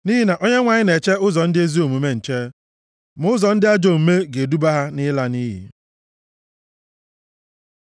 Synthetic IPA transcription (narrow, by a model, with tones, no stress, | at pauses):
ni˦ɦi˦na˨ʔo˦ɲe˦ŋʷa˨ɲɪ˦ne˨t͡ʃe˦ʊ˦zɔ˨n̩˦dɪ˦e˦zi˦o˨mu˨me˦n̩˨t͡ʃe˦ | mʊ˦zɔ˨n̩˦dɪ˦a˦d͡ʒo˨m̩˨me˦ɡe˨du˦ba˦ɦa˦nɪ˦la˦niː˦ɦḭ˨